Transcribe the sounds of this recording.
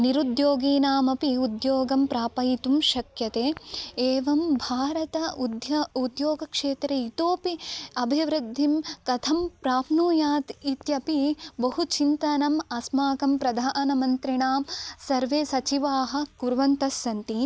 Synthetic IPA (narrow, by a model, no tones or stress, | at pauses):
niɾud̪joːɡiːnaːmɐpiud̪joːɡɐmpɾaːpɐjit̪umʃɐkjɐt̪eːeːʋɐmbʱaːɾɐt̪ɐud̪jɐud̪joːɡɐkʂeːt̪ɾɐit̪oːpiɐbʱiʋɾɨd̪ʱːimkɐt̪ʰɐmpɾaːpnuːjaːt̪it̪jɐpibɐɦut͡ʃint̪ɐnɐmɐsmaːkɐmpɾɐd̪ʱaːnɐmɐnt̪ɾiɳaːmsɐɾʋeːsɐt͡ʃiʋaːɦɐ̆kuɾʋɐnt̪ɐsːɐnt̪i